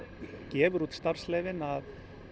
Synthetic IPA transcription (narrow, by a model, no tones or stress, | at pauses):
cɛːvʏɾut̪st̪aɾr̥slɛjvɪnað